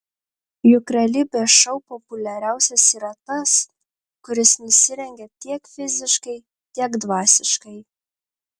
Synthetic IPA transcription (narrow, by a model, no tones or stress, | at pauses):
jʊkɾɛlʲɪbʲɛʃɒʊpopʊlʲɛɾʲæˑʊsʲɛsiːɾɐt̪ɐs | kʊɾʲɪsnʲʊsʲɪɾʲɛŋʲɡʲɛt̪ʲiɛkfʲɪzʲɪʃkɐɪ | t̪ʲiɛkd̪ʋɑːsʲɪʃkɐɪ